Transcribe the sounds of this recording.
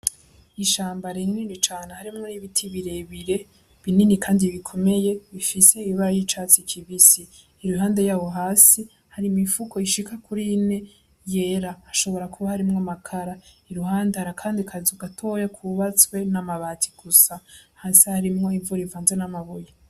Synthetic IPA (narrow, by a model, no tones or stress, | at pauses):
iʃaːmbaɾininit͡ʃaːnehaɾimŋo̞niβitʰiβiɾe̞βiɾe̞ | βininikʰaːndiβikʰo̞me̞je̞βifise̞iβaɾajit͡ʃaːt͡sikʰiβisiː | ɾuɦaːnde̞jaːβo̞ɦaːsi | haɾimifukʰo̞iʃikʰakuɾine̞ | je̞ːɾahːʃo̞βo̞ɾakʰuβahaɾimŋamakʰaɾaiɾuɦaːndehaɾakʰaːndikʰazuɡatʰo̞jakʰuβat͡swe̞namaβatʰi̥ɡ̥usahaːsihaɾimŋo̞ivuɾivaːnzenamaβoja